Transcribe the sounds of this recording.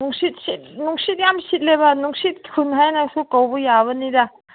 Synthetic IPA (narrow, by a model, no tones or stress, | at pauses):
nuŋsit̚sit̚nuŋsit̪̚jamsit̪̚lebanuŋsit̪̚kʰunɦajnaksukawbujaβɐnida